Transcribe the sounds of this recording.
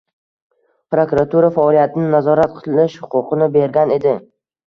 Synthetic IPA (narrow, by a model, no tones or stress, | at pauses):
pɾokʊɾat̪ʰuɾafaɒlijat̪ʰɪnɪnazɒɾat̪̚qʰɨllɪʃhʊqʰʊqʰɨnɪbe̞ɾɡʲane̞d̪ɪ